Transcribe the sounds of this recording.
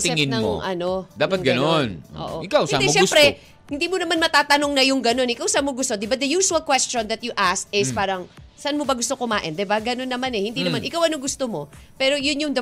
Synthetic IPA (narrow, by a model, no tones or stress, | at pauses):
t̪ɪɛŋɪnnɐmoʔɐ̰nod̪aːpɐt̪̚ɡɐnonʔo̰ʔo̰ʔɪkawsad̪imʃɛmpɾɛ | hɪnd̪iːmonɐmanmɐt̪aːt̪ɐno̞ŋnɐjʊŋɡɐno̞nʔɪkawsamoɡʊst̪od̪ɪbad̪ɐjuːʃuɐlkwɛst͡ʃond̪ɐt̪̚jʊʔast̪ɪspaːɾɐŋsɐʔanmobɐɡʊst̪okʊmaːʔɪnd̪ɪbaɡɐno̞nːɐmanɛhɪnd̪inɐmanʔɪkawʔɐnoŋɡʊst̪omo̞pɛːɾo̞jʊnjʊŋd̪ɐ